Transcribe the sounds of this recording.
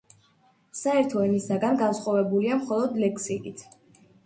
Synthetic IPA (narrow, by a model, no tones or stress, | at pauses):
saɛɾt̪ʰɔɛnisaɡanɡansχwavɛbuliamχɔlˠɔd̪lɛkʰsikʼit̪ʰ